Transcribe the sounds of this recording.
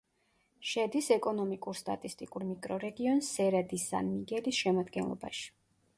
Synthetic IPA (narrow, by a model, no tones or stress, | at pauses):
ʃɛd̪isɛkʼɔnɔmikʼuɾst̪ʼa̰t̪ʼist̪ʼikʼuɾmikʼɾɔɾɛɡiɔnsːɛɾad̪isa̰nmiɡɛlisʃɛmad̪ɡɛnlˠɔ̰ba̰ʃi̥